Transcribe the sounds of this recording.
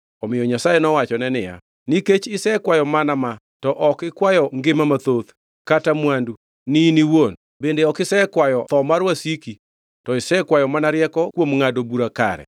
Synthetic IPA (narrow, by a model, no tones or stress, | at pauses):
ɔmɪjɔɲasajenɔwat͡ʃɔnɛnɪja̰ | niket͡ʃɪsɛkwajɔmanama | tɔʔɔkɪkwajɔŋɡɪmamat̪ot̪ | katamwandu | niniwon | bendeɔkɪsɛkwajɔt̪ɔmaɾwasiki | tɔɪsɛkwajɔmanaɾjɛkɔkwomŋadobuɾaka̰ɾɛ̰